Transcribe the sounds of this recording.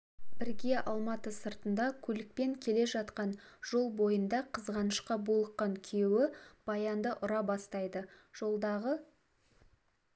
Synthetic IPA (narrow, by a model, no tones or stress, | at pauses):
bɪɾɡʲe̞ʔɑlˠmɑt̪əsəɾt̪ənd̪ɑkʲʰɵlɪk̚pe̞ŋkʲʰe̞le̞ʒɑt̪qɑnʒ̥o̞lˠbo̞jənd̪ɑqʰəzʁɑnəʃqɑbulˠəqːɑŋkʲʰjewɪb̥ɑjɑnd̪əʔʊɾɑbɑst̪ɑjd̪əʒ̥o̞lˠd̪ɑʁə